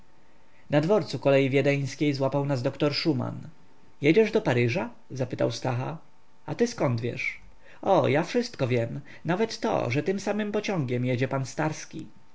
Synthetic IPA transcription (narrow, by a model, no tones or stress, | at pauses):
nad̪vɔɾt̪sukɔlɛjivʲjɛd̪ɛj̃skʲejzwapawnazd̪ɔkt̪ɔɾʂuma̰n | jɛd͡ʑɛʐd̪ɔpaɾɘʐa | zapɘt̪a̰wst̪axa | at̪ɘskɔnd̪vʲjɛ̰ʂ | ɔjafʂɘst̪kɔvʲjɛm | navɛt̪ːɔ̰ʐɛt̪ɘmsamɘmpɔt͡ɕɔ̃ŋɡʲɛmjɛd͡ʑɛpanst̪aɾskʲi